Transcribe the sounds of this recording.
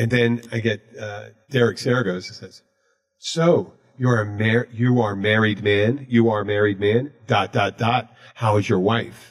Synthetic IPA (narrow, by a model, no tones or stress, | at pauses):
ɨ̃nðɨ̃naɪɡɛt̚ʌd̥ɛɹɨksɛɹɨɡoʊzɨsɛz̥ | soʊ | jə˞ɨmɛɹjɨə˞mɛɹid̚mæ̃njɨə˞mɛɹid̚mæ̃nd̥ɑt̚d̥ɑt̚d̥ɑt̚haʊɨzjə˞waɪf